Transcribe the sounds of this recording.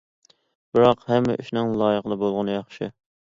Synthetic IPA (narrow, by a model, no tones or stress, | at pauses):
b̥ɪɾɑqhɛmːɛ̰ʔyʃnɪŋlˠɑːjəqəlˠɨbolˠʁʊnɨjɑχʃɪ̰